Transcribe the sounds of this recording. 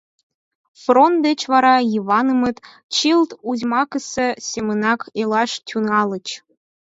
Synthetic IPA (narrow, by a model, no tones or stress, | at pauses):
front̪̚d̪et͡ɕvɑɾɑjiβɑnə̆mɤ̆t̪ | t͡ɕilt̪uzʲmɑkəsĕsʲemə̆nɑkʰelˠɑʃt̪ʲunɑlˠɤ̆t͡ɕ